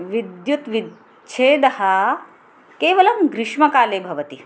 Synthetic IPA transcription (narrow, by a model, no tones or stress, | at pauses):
ʋid̪jut̪ʋid̪ | t͡ʃʰeːd̪ɐɦɐ | keːʋɐlɐmɡɾɪʂmɐkaːleːbʱɐʋɐt̪i